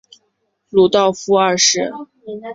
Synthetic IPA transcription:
lu˧˩t̪ɑ˥˩ʊfu˥ə˞˥˧ʂɻ̩˥˩

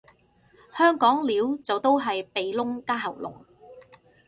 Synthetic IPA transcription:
hœː˥ŋkɔː˨˥ŋliː˨˥wt͡sɐ˨wt̪o˥wɦɐ˨jpe˨jlʊ˥ŋkaː˥ɦɐ˨˩wlʊ̰˨˩ŋ

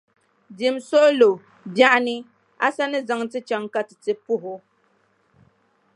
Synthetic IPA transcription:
di˨mso˦ʔlo˨ | bja˦ʔnɨ˦ | a̰˦sa˦nɨ˦za˨ŋtɨ˦t͡ʃa˨˦ŋka˦tɨ˨tɨ˨pʊ˦ɦʊ˦

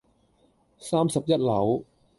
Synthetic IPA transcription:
saː˥msi˨˩p̚je˦˥t̪̚la˩˦w

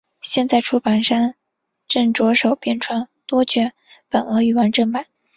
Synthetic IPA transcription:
ɕjɛ˥˧nt͡sa˥˧ɪʈ͡ʂʰu˥pa˨˩nʂa˥n | ʈ͡ʂɤ˥˩ŋʈ͡ʂwɔ˧˥ʂo˨˩ʊpjɛ˥˩nʈ͡ʂʰwa˥˩nt̪wɔ˥t͡ɕɥɛ˥ | pə˨˩nɤ˧˥y˨˩wa˥nʈ͡ʂɤ˥˩ŋma˨˩˦

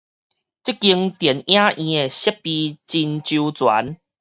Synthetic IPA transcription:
t͡ɕi˦˥kːi˧ŋt̪jɛ˨˩njã˦ʔĩ˧e˨˩ɕɛ˦˥p̚pːi˧t͡ɕi˧nt͡ɕu˧t͡swa̰˨˦n

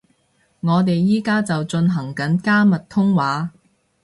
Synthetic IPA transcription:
ŋɔː˨˧t̪̬e˨jːiː˥kaː˥t͡sɐ˨wt͡ʃɵ˧nɦɐ˨˩ŋkɐ˨˥nkaː˥mɐ˨t̚t̪ʰʊ˥ŋwaː˨˥

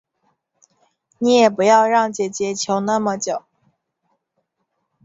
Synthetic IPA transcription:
ni˧˥jɛ˨˩pu˧˥jɑ˥˧ʊɻɑ˥˩ŋt͡ɕjɛ˨˥t͡ɕjɛ˧˥t͡ɕʰjo˧˥ʊna˥˩mə˨t͡ɕjo˨˩˦ʊ

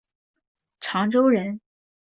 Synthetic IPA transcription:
ʈ͡ʂʰɑ˧˥ŋʈ͡ʂo˥ʊɻə˧˥n

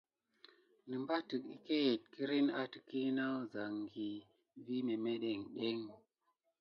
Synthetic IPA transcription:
nɨ˨mba˦ti˨kḭ˦˨ke˦e˨t̚ki˦ɾi˦na˦ti̥˨ki˦na˦wza˨ŋɡi˨ | vi˦me˨me˦ɗe˨ŋɗe˦ŋ

